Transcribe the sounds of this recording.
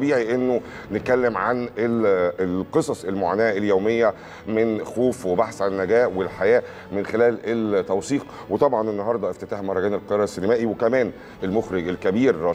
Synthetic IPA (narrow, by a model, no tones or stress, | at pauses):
biːʕiʔenːo | net̪̚kælːemʕanelqesˤɑsˤelmoʕa̰ːnæːeljoːmejːæ | menxoːfwebaħsʕalænːæɡæːʔwelħajæː | menxelæːlelt̪ːæwsiːq | wet̪ˤɑbʕɑnʔenːɑɦɑɾˤd̪ˤɑʔeft̪et̪aːħmɑɾˤːɑɡæːnelqeɾˤɑsːenemæːʔiwekæmæːn | elmoxɾeɡelkæbiːɾɑː